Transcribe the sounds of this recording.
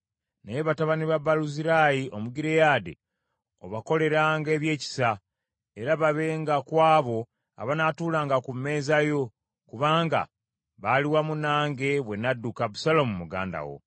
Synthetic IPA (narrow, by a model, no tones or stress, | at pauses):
nejeβataβaniβabaluziɾajiʔo̞muɡiɾejaːdḛ | oβako̞le̞ɾaːŋɡe̞ːβje̞ːci̥sa | e̞ɾaβaβe̞ːŋɡakwaːβo̞ | a̰βanatuːlaːŋɡakumːe̞ːzajo̞ | kuβaːŋɡa̰ | βaliwamunaːŋɡe̞βwe̞nadːukabusalomumuɡa̰ːnda̰wo̞̰